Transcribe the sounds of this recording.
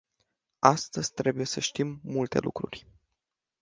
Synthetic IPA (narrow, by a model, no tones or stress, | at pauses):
ast̪əzʲt̪ɾe̞buje̞səʃt̪imːult̪e̞̰lʔṵkɾurʲ